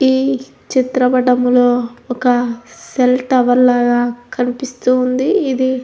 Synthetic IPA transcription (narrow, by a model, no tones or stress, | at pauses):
iː | t͡ʃit̪ɾɐbɐɖɐmlo̞ːɔkɐselʈɐʋɐɾlaːɡaːkʰɐnipist̪uːnd̪iːd̪i